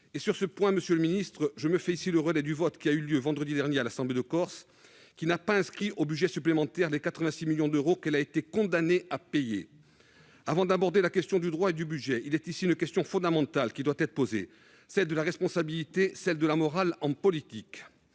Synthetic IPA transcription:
esyʁsəpwɛ̃məsjøləminist̪χəʒəməfɛisiləʁəlɛd̪yvɔt̪kʲiayljøvɑ̃d̪ʁəd̪id̪ɛʁnjealasɑ̃bled̪əkɔʁs | kʲinapaɛ̃skχiʔobyd̪ʒɛsyplemɑ̃t̪ɛʁlekat̪χəvɛ̃similjɔ̃d̪øʁokɛlaet̪ekɔ̃d̪aneapejḛ | avɑ̃d̪abɔʁd̪elakʲɛst̪jɔ̃d̪yd̪ʁwaed̪ybyʒɛilɛt̪isiynkʲɛst̪jɔ̃fɔ̃d̪amɑ̃t̪alkʲid̪wat̪ɛt̪χə̥pozḛ | sɛld̪əlaʁɛspɔ̃sabilit̪esɛld̪əlamɔʁalɑ̃pɔlit̪ik

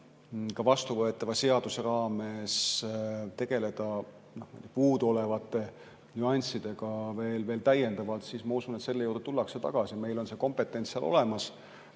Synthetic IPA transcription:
kɑvɑst̪uvɤe̞t̪ːˑɑvɑse̞ɑd̪̥useɾɑːme̞s | t̪e̞ɡ̥e̞le̞d̪̥ɑ | nohmijd̪̥ʲepuːd̪o̞le̞vɑt̪ːˑe̞ | nʲyɑnʲsid̪̥e̞ɡɑve̞ːlve̞ːlt̪æje̞nd̪ɑvɑlt̪siːsmɑusunet̪se̞lːejuːrd̥̪et̪ulːɑkse̞t̪ɑ̰ɡ̥ɑsime̞jlo̞nse̞ko̞mpˑe̞t̪ːˑe̞nʲsɑ̰lʔo̞̰le̞mɑs

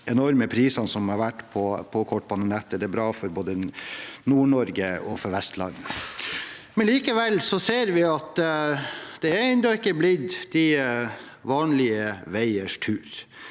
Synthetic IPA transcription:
ɛnɔɾməpʰɾiːsɑnsɔmhɑɾʋæʈːpʰɔpʰɔkʰɔʈ̚ːbɑnənɛt̪ːəd̪ɛæbɾɑːfɔɾboːd̪ənuːɳɔɾɡəɔfɔɾʋɛst̪lɑ̰nː | mɛnliːkəʋɛlːsɔseːɾʋɪɑt̪ | d̪̥ɛæɾæɛnd̪ɑɪkːəblɪd̪d̪̥ɪ | ʋɑːnlɪəʋæɪəʂtʰʉːɾ

